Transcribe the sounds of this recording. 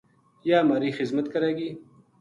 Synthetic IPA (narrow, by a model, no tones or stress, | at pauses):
jaːmaːɾixɪzmɐt̪kɐɾaɡiː